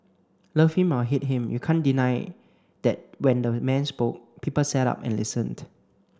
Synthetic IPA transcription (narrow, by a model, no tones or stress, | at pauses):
lʌfhĩmɔɦit̚ɦĩmjukʰãndinaɪ | d̥ɛt̚wɛ̃ndəmɛ̃nspok̚pʰipəlsɛta̰pɛ̰̃nlisə̃nd